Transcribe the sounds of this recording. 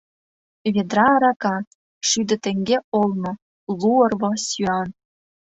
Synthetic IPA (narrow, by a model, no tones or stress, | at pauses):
βʲed̪ɾɑːɾɑkɑ | ʃyd̪ɘ̆t̪ĕŋɡʲeolˠno | lˠuɤ̆rβɤsyɑn